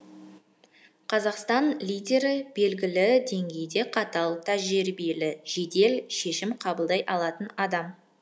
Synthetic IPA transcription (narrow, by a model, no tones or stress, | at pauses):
qʰɑzɑqst̪ɑnlʲijdʲe̞ɾɪbe̞lɡʲɪlɪd̪e̞ŋɡʲe̞jd̪e̞qʰɑt̪ɑlˠt̪ʰæʒeɾbijelɪʒ̥e̞d̪e̞lʃe̞ʃɪmqʰɑbəlˠd̪ɑjʔɑlˠɑt̪ənɑd̪ɑm